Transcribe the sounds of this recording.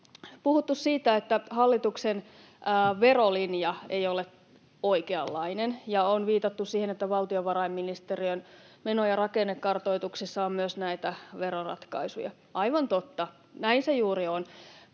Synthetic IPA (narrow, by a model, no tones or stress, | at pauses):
puhut̪ːussiːt̪æet̪ːæhɑlːit̪uksenː | ʋe̞rolinjɑe̞̰jole | o̞ikeɑ̰lːɑinenjɑonʋiːt̪ɑt̪ːussiːhenet̪ːæʋɑlt̪ioʋɑɾɑimːinist̪eriøn | menojɑrɑkenːekːɑrt̪o̞it̪uksisːɑommyøsnæit̪æʋeɾorɑ̰t̪kɑ̰isujɑ̰ | ʔɑiʋɑnt̪ot̪ːɑ | næinsejuːɾion